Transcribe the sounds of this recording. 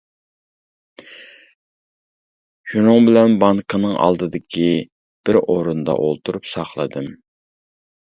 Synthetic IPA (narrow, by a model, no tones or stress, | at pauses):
ʃunɨŋbɪlɛnbɑŋkʰənɨŋʔɑ̰lˠd̪ɨd̪ɪkʲʰi | b̥ɪɾoɾund̪ɑ̰ʔolˠt̪ʰuɾupsɑχlˠɨd̪ɨm